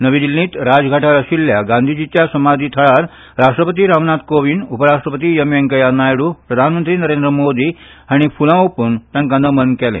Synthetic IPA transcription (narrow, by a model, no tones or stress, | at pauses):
nəʋĩd̪ilːĩːt̪ɾad͡zɡʱaʈʰaɾəɕilːjaɡãnd̪ʱid͡ʑit͡ɕjasəmad̪ʱiːt̪ʰəɭaɾ | ɾaʂʈɾəpət̪iːɾaʋnat̪koʋiːnupəɾaʂʈɾəpət̪̬iːjəmjeŋkəjanajɽuːpɾəd̪ʱanmənt̪ɾiːnəɾend̪ɾəmod̪ʱiːaɽ̃ifulãopuːnt̪jãŋkãnd̪əmənkɛlḛ̃